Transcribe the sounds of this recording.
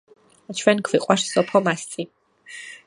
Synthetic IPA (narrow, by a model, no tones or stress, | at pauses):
at͡ʃʰwɛnkʰviqʼaʂsɔpʰχɔmast͡sʼi